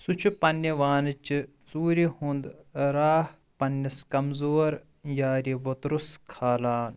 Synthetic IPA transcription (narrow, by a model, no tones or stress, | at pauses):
sut͡ʃʰupɐnːɐʋaːnɨt͡ʃi | t͡suːɾihũnd̪ɾaːh | pɐnːɐskɐmzoːɾ | jaːɾiʋot̪ɾuskʰaːlaːn